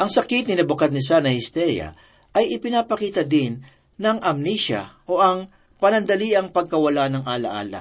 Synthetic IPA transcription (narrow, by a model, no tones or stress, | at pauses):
ʔɐŋsɐkit̪̚nɪnɐbʊkad̪̚nɪsanɐhɪst̪ɛjɐ̰ | ʔɐjɪpɪnaːpɐkiːt̪ɐd̪ɪnː | ɐŋʔɐmniʃɐ̰ʔo̞ʔɐŋ | pɐnɐnd̪ɐliʔɐŋpɐɡ̚kɐwɐlanɐŋʔaːlɐ̰ʔa̰ːlɐ̰